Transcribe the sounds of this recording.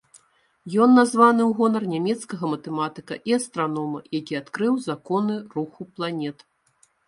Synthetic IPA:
jɔnːazvanɨwɣɔnɐrnʲamʲɛt̪skɐɣɐmɐt̪ɛmat̪ɨkɐ̰ʔiɐst̪ɾanɔmɐ̰jakʲiat̪kɾɨwzakɔnɨruxuplˠanʲɛt̪

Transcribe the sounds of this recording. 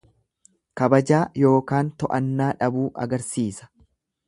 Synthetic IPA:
kɐbɐd͡ʒaːjo̞ːkaːnt̪ɔʔɐnːaːᶑɐbuːʔɐ̰ɡɐɾsiːsɐ̥

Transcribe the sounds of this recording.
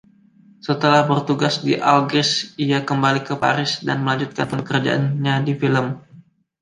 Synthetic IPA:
sət̪əlahbərt̪uɡasdiʔalɡɪsijakəmbalikəpa̰ɾɪsdanməlaɲd͡ʒut̪̚kanpənkəɾad͡ʒa̰ʔa̰nɲadifiləm

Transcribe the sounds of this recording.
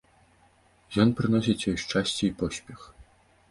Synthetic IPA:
jɔnpɾɨnɔsʲit͡sʲjɔjʂt͡ʂasʲt͡sʲɛipɔsʲpʲɛx

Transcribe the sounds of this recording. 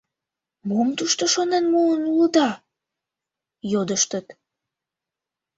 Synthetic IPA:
mumt̪uʃt̪oʃonenmuənuləd̪ɑ | jod̪əʃt̪ət̪

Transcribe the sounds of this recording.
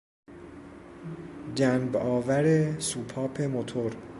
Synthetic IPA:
d͡ʒænbɒːvæɾesuːpʰɒːpʰe̞mot̪ʰoɾ

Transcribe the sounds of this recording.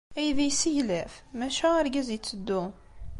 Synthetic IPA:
æjðijsijlæfmæʃææɾɡæzjət͡sːəd̪ːu

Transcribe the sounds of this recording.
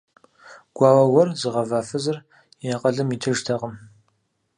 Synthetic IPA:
ɡ̥ʷɑːwɐwɐrzɨʁɐvaːfɨzɨr | ɪaqʼɐɮɨmiːtʰɨʒtʰɐqʼəm

